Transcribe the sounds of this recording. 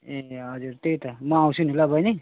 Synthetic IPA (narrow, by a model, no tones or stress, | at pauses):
eɦʌd͡zuɾt̪ejt̪ʌmʌaw̃sʰunulabʌjni